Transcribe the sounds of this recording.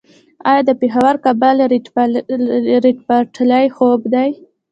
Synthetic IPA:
ɑjɑd̪əpexawaɾkabal | ɾiʈpaʈlajxobd̪aj

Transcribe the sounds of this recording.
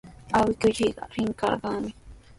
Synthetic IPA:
awɪkʊt͡ʃiɢɑ̰ɾɪŋkɑ̰ɾɢɑŋmɪ

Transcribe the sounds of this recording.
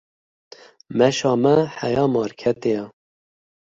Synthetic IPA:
mɛʃɑːmɛħæjɑːmɑːɾkʰɛt̪ejɑ

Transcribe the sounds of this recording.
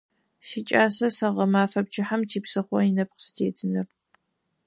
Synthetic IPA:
sit͡ʃʼaːsɐsɐʁɐmaːfɐb̚t͡ʃɪħamtʰiːpsɨχʷɔjinɐp̚qə̥stʰeːtʰɨnɐr

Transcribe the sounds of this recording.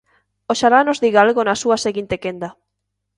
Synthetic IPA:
oʃalanozðiɣalɣonasuaseɣint̪ekend̪a

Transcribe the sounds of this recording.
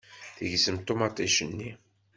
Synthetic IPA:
θəʝsəmt̪ːomɑt̪ˤiʃənːi

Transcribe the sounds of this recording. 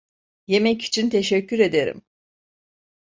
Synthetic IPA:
je̞mɛci̥t͡ʃʰint̪ʰe̞ʃɛcʰːyɾe̞d̪eɾḭm

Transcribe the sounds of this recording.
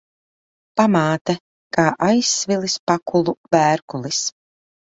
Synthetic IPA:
pamaːt̪ɛ | kaːʔajsːvilˠispakulˠuvæːɾkulˠis

